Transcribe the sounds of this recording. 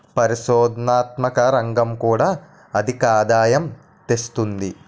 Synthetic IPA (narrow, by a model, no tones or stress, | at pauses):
pɐɾiʃɔːd̪naːt̪mɐkɐɾɐŋɡɐmkuːɽaː | ɐd̪ʱikaːd̪aːjɐm | t̪est̪und̪i